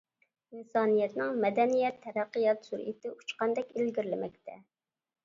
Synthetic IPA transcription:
insɑːnijɛt̪nɪŋmɛd̪ɛnijɛt̪ʰːɛɾæqːɨjɑt̪suɾʔḭt̪ɪʔut͡ʃqɑnd̪ɛkʲelɡʲiɾlɪmɛk̚ʲt̪ʰɛ

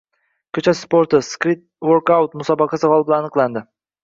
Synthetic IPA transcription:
kʲʰɵt͡ʃʰaspoɾt̪ɪskɾɪt̪̚woɾkawt̪mʊsɒbɑqʰɑsɨqɒlˠbɪlaanɨqlˠand̪ɪ

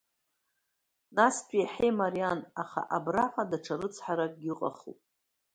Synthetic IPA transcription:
naspʼijaħejmaɾijanaχa̰ʔabraħʷadaʈ͡ʂʰaɾɨt͡sʰħaɾaɡʲɪqʼa̰χṵpʼ

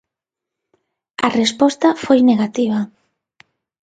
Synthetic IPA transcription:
ɐrespɔst̪ɐfojneɣat̪iβ̞ɐ

